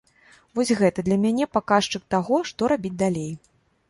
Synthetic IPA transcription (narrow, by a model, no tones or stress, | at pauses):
vɔsʲɣɛt̪ɐd̪lʲɐmʲanʲɛpakaʂt͡ʂɨk̚t̪aɣɔʂt̪ɔɾabʲit͡sʲd̪alʲej